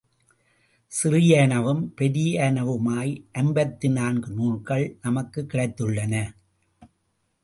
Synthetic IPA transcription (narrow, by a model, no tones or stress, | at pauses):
sɪɾɪjeːɳɐʋɯmpɛɾɪjeːɳɐʋɯmaːjʔɐnbɐt̪ːɪnaːnɡɯnuːrkɐɭnɐmɐkːɯkːɪɽɐɪt̪ːɯɭːɐnɐ